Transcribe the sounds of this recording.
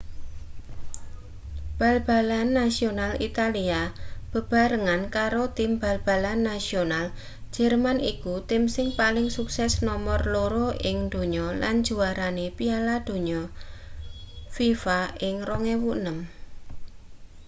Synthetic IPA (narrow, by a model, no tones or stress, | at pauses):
b̥a̤lb̥a̤lanːasionalit̪aliab̥ə̤b̥a̤ɾəŋankaɾot̪ɪmba̤lb̥a̤lanːasional̥ | d͡ʒ̥ɛ̤rmanikut̪ɪmsɪŋpalɪŋsuksɛsnɔmɔrloɾoʔɪŋd̪̥o̤ɲɔla̰n̥d͡ʒuaɾanepialad̪̥o̤ɲɔ | fifaɪŋrɔŋewunəm